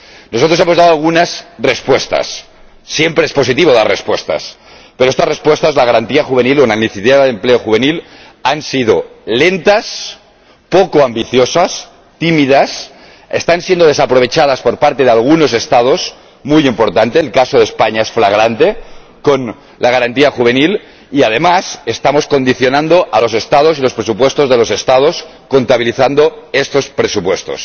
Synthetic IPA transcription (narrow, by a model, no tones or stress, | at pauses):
nosot̪ɾoemoðaðoalɣ̞unasrespwe̞st̪a̰sː | je̞mpɾeespo̞sit̪iβo̞ðarḛspwe̞st̪a̰s | peɾoest̪asrespwe̞st̪azlaɣ̞aɾant̪iaxuβenilonaniθit̪eβaðempleoxuβ̞enil | ansið̞ole̞nt̪as | pokoambiθjosas | t̪imiðas | est̪ansjend̪o̞ðe̞sapɾo̞β̞e̞t͡ʃað̞aspo̞ɾpaɾt̪e̞ðealɣ̞uno̞s̬e̞st̪að̞o̞s | mujimpo̞ɾt̪ant̪eːlkasoð̞espaɲaesflaɣ̞ɾant̪e̞ | ko̞n | laɣ̞aɾant̪iaxuβ̞e̞nil | iaðe̞mase̞st̪amo̞sko̞nd̪iθjonãnd̪o̞ʔalo̞se̞st̪að̞o̞s̬ilo̞spɾesupwe̞st̪o̞zðe̞lo̞se̞st̪að̞o̞s | ko̞nt̪aβ̞iliθand̪o̞e̞st̪o̞spɾesupwe̞st̪o̰s